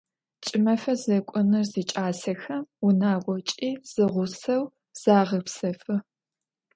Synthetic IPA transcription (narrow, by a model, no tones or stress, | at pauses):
t͡ʃʼɪmɐfɐzɐkʷʼʊnɨrziːt͡ʃʼaːsɐxɐmʊnaːɡʷɔt͡ʃʼiːz̥ɨʁʷʊsɐw | z̥aːʁəpsɐfɨ